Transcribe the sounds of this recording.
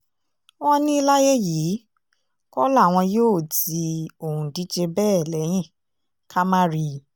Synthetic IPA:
wɔ̃˦nĩ˦i˧˦la˦je˦jiː˨˦ | kɔ˦la˦˨w̃ɔ̃˧joː˦˨ti˧o˨hũ˨di˨˦d͡ʒe˧bɛː˦˨lɛ˨˦j̃ĩ˦˨ | kʰa˦mã˦ɾi˧

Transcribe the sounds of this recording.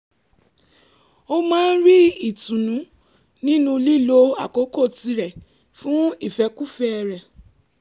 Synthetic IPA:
o˦mãː˦n̩˦ɾi˦i˦˨tũ˨nũ˨˦ | nĩ˦nũ˧li˦˨lo˧˦a˦˨ko˨˦ko˦˨ti˧ɾɛ˨ | fũ˦i˦˨fɛ˧ku˦fɛ˦ɛ˧ɾɛ˨

